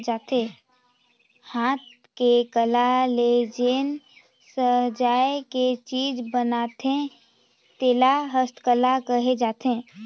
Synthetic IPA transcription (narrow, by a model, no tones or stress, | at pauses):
d͡ʒaːt̪ẽː | haːt̪̚ | kekəlaled͡ʒeːn | səɦd͡ʒaːeket͡ʃiːd͡ʒbənaːt̪ẽ | t̪eːlaɦəst̪kəlakəɦed͡ʒaːt̪ẽː